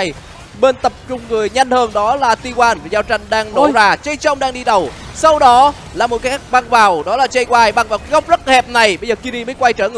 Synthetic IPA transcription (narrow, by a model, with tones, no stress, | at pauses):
j | ɓe˧nt̪ə˨˩p̚t͡ɕʊ˧ŋ͡mŋɨ˨˩əjɲa˧jŋ̟həː˧ŋɗɔ˨˦laː˨˩t̪i˧kwaː˧nva˨˩zaː˧wt͡ɕa˧jŋ̟ɗaː˧ŋno˧˩˦zaː˧˩t͡ɕə˧jt͡ɕə˧wŋ͡mɗaː˧ŋɗi˧ɗə˨˩wsa˧wɗɔ˨˦ | laː˨˩mo˨˩t̚ka˦˥k̚ɓa˧ŋvaː˨˩wɗɔ˨˦laː˨˩t͡ɕa˧jkwaː˧˩jɓaː˧˩ŋvaː˨˩wkaː˨˦jɣɔ˦˥wp̚zə˦˥t̚hɛ˨˩p̚na˨˩jɓə˧jzəː˨˩ki˧ɾi˧məː˨˦jkwa˧jt͡ɕəː˧˩ŋɨ˧˨